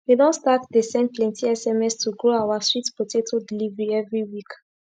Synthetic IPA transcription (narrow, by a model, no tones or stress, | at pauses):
widɔ̃nstatdesɛ̃nplɛ̃ntʰiɛsɛmɛstʰuɡoawaswitpotʰetʰudilivɹiɛvɹiwik